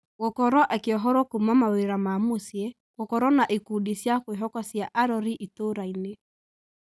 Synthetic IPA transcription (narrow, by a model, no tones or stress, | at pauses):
ɣokɔɾɔʔɛkeɔɦɔɾɔkumamaweɾamamosjɛ | ɣokɔɾɔnaʔikudisjakweɦɔkɔsjaʔaɾɔɾiʔitoɾaine